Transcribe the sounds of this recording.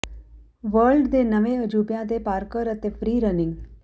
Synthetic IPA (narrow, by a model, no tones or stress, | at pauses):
ʋəɾɭɖd̪enəʋẽəd͡ʒuːpjãt̪̬epaːɾkəɾət̪efɾiːɾənɪ̃ŋɡ